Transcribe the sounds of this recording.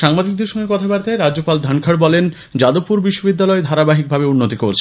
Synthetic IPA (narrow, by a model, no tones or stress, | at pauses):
ʃaŋbad̪ik̚d̪eɾʃɔŋɡeɾkɔt̪ʰabaɾt̪aeɾad͡ʑopald̪ʱankʰaɽbɔlen | d͡ʑad̪opuɾbiʃːobid̪ːalɔed̪ʱaɾabaɦik̚bʱabeunːot̪ikoɾt͡ɕʰe